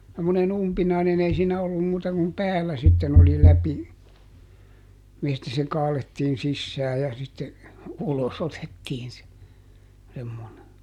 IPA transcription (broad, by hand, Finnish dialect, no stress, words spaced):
semːonen umpinɑinen ei siːnæ olːum muːtɑ kum pæːlːæ sitːen oli læpi mistæ se kɑːletːiːn sisːæː jɑ sitːe ulos otetːiːn se semːone